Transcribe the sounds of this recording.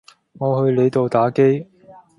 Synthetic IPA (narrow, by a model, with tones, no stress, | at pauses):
ŋɔː˨˧hɵ˧ɥle˨˧jt̪o˨wt̪aː˨˥ke˥j